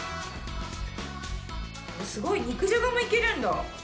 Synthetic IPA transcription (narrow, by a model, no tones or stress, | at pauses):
osɨɡo̞iɲ̟ikɯ̟ʑoɡamoike̞ɾɯ̃nd̪a